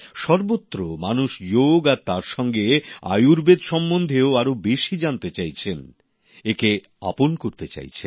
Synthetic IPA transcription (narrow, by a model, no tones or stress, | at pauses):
ʃɔɾbot̪ːɾomanuʃd͡ʑoɡaɾt̪aɾʃɔŋɡea̰juɾbed̪ʃɔmːond̪ʱeoaɾobeʃid͡ʑant̪et͡ɕajt͡ɕʰen | eke | a̰ponkoɾt̪et͡ɕa̰jt͡ɕʰe